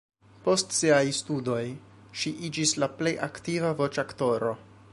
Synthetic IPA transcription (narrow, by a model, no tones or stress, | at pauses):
po̞stsiajstudo̞j | ʃiʔid͡ʒislaple̞jʔaktivavo̞t͡ʃakto̞ɾo̞